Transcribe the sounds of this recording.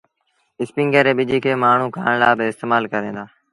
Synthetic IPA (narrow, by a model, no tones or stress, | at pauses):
ɪspɪ̃ŋɡəːɾeːɓɪd͡ʒʱiːkʰeːmaːɳ̤ũːkʰa̰ːɳ̃laːbɪɪst̪eːmaːlkəɾẽːd̪aː